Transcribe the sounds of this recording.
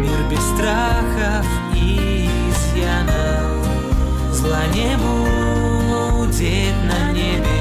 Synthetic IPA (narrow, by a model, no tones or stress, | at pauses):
mʲirbʲɛst̪ɾaxɐf | i | zjanɐ | zlˠanʲɛbu | dʲe | t̪ʲnɐnʲɛbʲ